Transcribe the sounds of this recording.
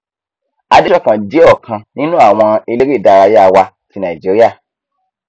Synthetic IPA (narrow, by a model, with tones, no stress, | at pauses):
a˧de˦ʃɔ˦kã˨d͡ʒe˨˦ɔ˦˨kʰã˧nĩ˦nũ˦a˦˨w̃ɔ̃˧e˧le˦ɾi˦˨da˨˧˨ɾa˧je˦a˦˧wa˧ti˧nã˨i˨d͡ʒi˨˦ɾi˦a˦˨